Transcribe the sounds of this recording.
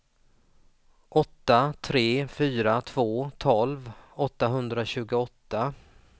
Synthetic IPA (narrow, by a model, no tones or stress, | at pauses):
ɔt̪ːat̪ʰɾeːfyːɾat̪ʰvoːt̪ʰɔlvɔt̪ːaɦɵnd̪ɾaɕʉ̟ːɡʊɔt̪ːa